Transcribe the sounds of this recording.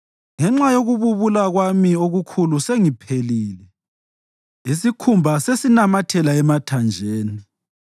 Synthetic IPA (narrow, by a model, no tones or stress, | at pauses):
ŋɛŋ͡ǁajoɣuβuβulaɣwamioɣukʰuluseŋipʰeliːlɛ | isikʰumbʱasesinamatʰɛlaɛmatʰand͡ʒʱeːnii